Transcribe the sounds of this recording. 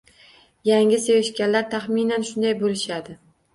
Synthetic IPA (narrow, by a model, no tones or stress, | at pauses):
jaŋʲɪsevɪʃkʲanlaɾt̪ʰaχminanʃʊnd̪ajbolɪʃad̪ɪ